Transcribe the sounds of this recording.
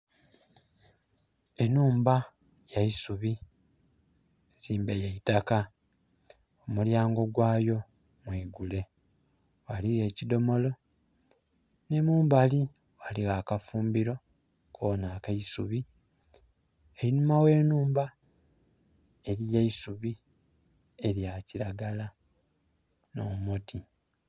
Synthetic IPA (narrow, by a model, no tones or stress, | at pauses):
enuːmba | jaisuβi | z̥iːmbejaitaka | omuljaːŋɡo̞ɡwaːjo̞ | mwiːɡule̞ | waliɣe̞ːcido̞mo̞lo̞ | ne̞muːmbali | waliɣaːkafuːmbiɾo̞ | kʰoːnaːkaisuβi | eɾinumawe̞ːnuːmba | e̞ɾijeisuβi | eɾjaciɾaɡala | no̞moti